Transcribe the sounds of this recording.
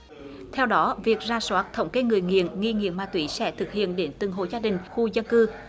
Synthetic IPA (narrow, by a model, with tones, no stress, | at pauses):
t̪ʰɛ˧wɗɔ˨˦vi˨˩ək̚zaː˧swaː˦˥t̚t̪ʰə˧˩wŋ͡mke˨˧˦ŋɨ˨˩əjŋḭ˧˨ənŋi˧ŋḭ˧˥əmmaː˧t̪wi˧˦sɛ̰˧˥t̪ʰɨ˨˩k̚hḭ˧˨ənɗe˨˦nt̪ɨ̰˨˩ŋɦo̰˧˨zaː˧ɗï˨˩ŋ̟xu˧zə˧nkɨ˧